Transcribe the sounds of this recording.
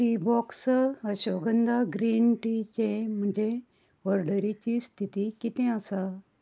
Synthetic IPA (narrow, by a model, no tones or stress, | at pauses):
ʈibɔksəɕʋəɡənd̪aɡɾiːnʈit͡ɕẽm̤əɳd͡ʑe | ʋəɾɖəɾit͡ɕist̪ʰit̪ikit̪ẽəsa